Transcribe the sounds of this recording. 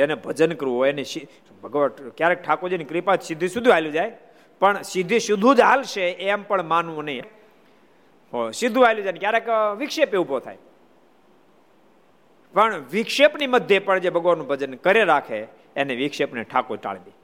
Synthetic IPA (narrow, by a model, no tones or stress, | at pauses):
enebʱəd͡ʒənkəɾũɦɔjenesi | bʱəɡʋakjaɾek̚ʈʰakod͡ʒenekɾipad͡ʒsɪd̪ʱisud̪ʱiajlud͡ʒaj | pəɳsɪd̪ʱiʃʊd̪ʱũd͡ʒalʃeempəɳmanʋõnəĩe | osɪd̪ʱuʋajlũd͡ʒajnekjaɾekʋɪkʃepeubʱot̪ʰa̰j | pəɳʋɪkʃepniməd̪ʱjepəɳd͡ʒebʱəɡʋaɾnũbʱəd͡ʒənkəɾeɾakʰeː | neʋɪkʃepnḛʈʰakoʈa̰ɭ̤d̪i